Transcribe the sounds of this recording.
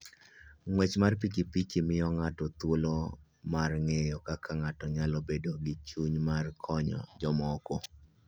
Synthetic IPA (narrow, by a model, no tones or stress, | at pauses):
ŋwet͡ʃmarp̬ikipikimɪɔŋatɔt̪wolo | marŋejɔkakʰaŋatɔɲalɔbedoɡɪt͡ʃuɲmarkʰɔɲɔ̰d͡ʒɔmɔko